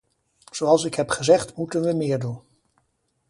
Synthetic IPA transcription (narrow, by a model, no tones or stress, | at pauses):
z̥oɑlˠsɪkɦɛpχəzɛχtmutənʋəmɪːɹdun